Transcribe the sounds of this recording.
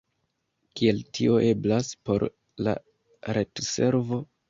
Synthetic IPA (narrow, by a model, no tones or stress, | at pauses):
kie̞ltʰio̞ʔe̞blaspo̞̰ɾ | la̰ | ɾetse̞ɾvo̞